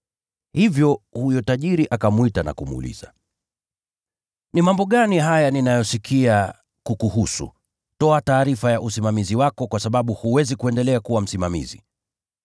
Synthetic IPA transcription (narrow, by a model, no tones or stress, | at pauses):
hivjɔhujɔtaʄiɾiʔakamwitana̰kumuṵlḭza̰ | nimambɔɠaniɦajaninajɔsikʰia | kukuhusṵ | tɔataːɾifajaʔusimamiziwakɔkwasaɓaɓuhuwɛzikuɛndɛlɛakuwam̩simamḭzḭ